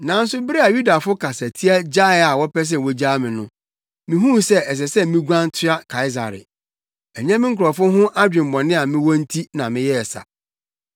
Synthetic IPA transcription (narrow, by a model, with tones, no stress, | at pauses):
nã˨n̩˦sʊ˦bɪ˦ɾi˦a˨ju˦da˨fʊ˦kʰa˨sa˨tʰi˦a˦d͡ʑa˦ɪ˨˦a˨wɔ˦pɛ˦s̬ɛ˦˨wɔ˦d͡ʑaː˦mɪ̃˨nʊ̃˦ | mĩ˨ɦũ˦sɛ˦ɛ˨s̬ɛ˨sɛ˦mĩ˦ɡʷã˦n˦tʰɪ˦a˦kʰa˨ɪ˦za̰˨ɾɪ̰˨ | ɛ˨ɲã˦mɪ̃˦ŋ̩˦kʊ˨ɾɔ˨fʊ˦ɦʊ̃˦ʔa˦d͡ʑᶣɪ̃˨m˨bɔ̃˨nɪ̃˦a˨mɪ̃˦wɔ̃˦n̩˦tʰi˦nã˨mɪ̃˦jɛ˦ɛ˨sa̰˨